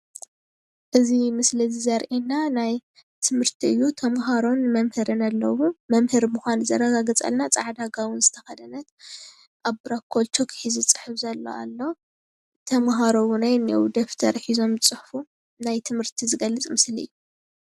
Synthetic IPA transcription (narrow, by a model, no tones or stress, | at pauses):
ʔɨzimɨslɨzizɐɾʔinːanaj | t̪ʰɨmhɨɾt̪ʰiɨjːut̪ʰɐmɦaɾo̞nmɐmhɨɾɨnalːɐ̰wumɐmhɨɾmuxʷanzɐ̰ɾɐɡaɡɐt͡sʼɐ̰lnat͡sʼaʕd̪aɡawʊnzɨt̪ʰɐxɐd̪ɐnɐt̪ | ʔaβbɾakʰːo̞lt͡ʃʰokʰɨ̥ħizɨt͡sʼɨ̥ħɨfzɐlːo̰a̰lːo | t̪ʰɐmɦaɾowʊnajnɐ̰wd̪ɐft̪ʰɐɾħizo̞mɨt͡sʼɨħfu | najt̪ʰɨmhɨɾt̪ʰizɨɡɐlːɨt͡sʼmɨsliɨ̰jːu